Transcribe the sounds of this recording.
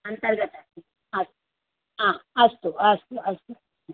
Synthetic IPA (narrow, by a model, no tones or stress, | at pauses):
ɐnt̪ɐɾɡɐt̪a | ɐs | ãɐst̪uast̪uɐst̪u